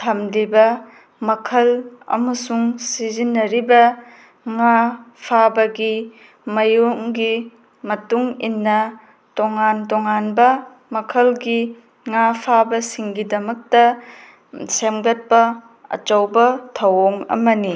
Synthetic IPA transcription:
tʰɐmlibɐ | mɐkʰɐlɐ̰mɐsuŋsizinːɐɾibɐ | ŋapʰabɐɡi | mɐjoŋɡi | mɐtuŋinːɐ | toŋantoŋanbɐ | mɐkʰɐlɡi | ŋapʰabɐsiŋɡidɐmɐk̚tɐ | semɡɐt̚pɐ | ɐ̰t͡ʃɐwbɐtʰɐwoŋɐ̰mɐni

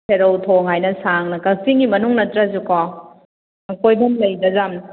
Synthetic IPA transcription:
pʰeɾowtʰoŋɦajnɐsaŋnɐkɐsiŋɡimɐnuŋnɐtɾɐs̬ukɔ | ɐkojbɐmlɐjdɐzam

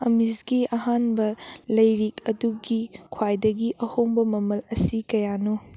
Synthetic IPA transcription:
ɐmizɡiɐɦanbɐlɐjɾikɐduɡikʰwajdɐɡiʔɐhombɐmɐmɐlɐsikɐjano

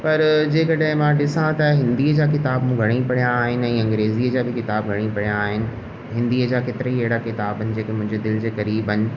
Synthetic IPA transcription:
pɐɾd͡ʑeːkɐɗɦɪ̃mãɗɪsãt̪ɐɦɪ̃nd̪iːəd͡ʑaːkɪt̪aːbmũːɡʱɐɽ̃ĩpɐɽijaːɦɪnɪ̆ɛ̃ːɐ̃ŋɡɾeːziːəd͡ʑaːbɪkɪt̪aːb̚ɡʱɐɽ̃ipɐɽijaːɦɪnɪ̆ | ɦɪ̃nd̪iːəd͡ʑaːkeːt̪ɪɾəɦieːɽakɪt̪aːbənɪ̆d͡ʑeːkemʊ̃ɦɪ̃ɲd͡ʑed̪ɪld͡ʑekɐɾiːbənɪ̆

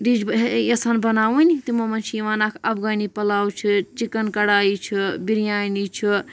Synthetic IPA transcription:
ɾid͡ʒbɦesanbɐnawunʲit̪imomɐnt͡ʃʰiʋanakʰɐbɡənipɐlawt͡ʃʰit͡ʃikənkəɽaːit͡ʃʰibiɾjanit͡ʃʰi

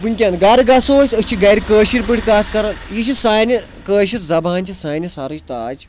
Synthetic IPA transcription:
pɨnʲkʲanɡaɾɡasoːsʲɐst͡ʃʰiɡɐjɾʲikəːʃiɾʲpɨʈʰʲkaːskɐɾɐnjiʃisaːnʲɐ | kəːʃit̪zɐbaːnʲt͡ʃʰisaːnʲɐsaɾut͡ʃʲt̪aːd͡ʒ

